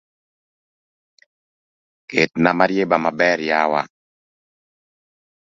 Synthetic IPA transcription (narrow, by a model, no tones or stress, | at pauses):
ketnamaɾjebamabɛɾjawa̰